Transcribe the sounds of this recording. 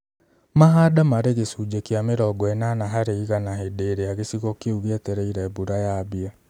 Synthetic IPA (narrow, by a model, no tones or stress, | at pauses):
maɦadamaɾeɣesud͡ʒekiameɾɔɡɔɛnanaɦaɾeiɣanaɦedeɾeaɣesiɣokeuɣeɛtɛɾɛiɾɛbuɾajaβia